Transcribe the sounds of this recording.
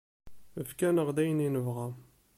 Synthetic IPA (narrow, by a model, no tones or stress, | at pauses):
əfkænəʁd̪æjəninəvʁa